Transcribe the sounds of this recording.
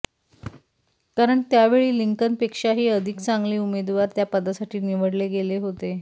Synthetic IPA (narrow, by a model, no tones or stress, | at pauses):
kaɾəɳt̪jaʋeɭiːliŋkənpekʂaɦiːəd̪ʱikt͡saŋɡliːumed̪ʋaɾt̪japəd̪asaʈʰiːniʋəɽleɡeleɦot̪e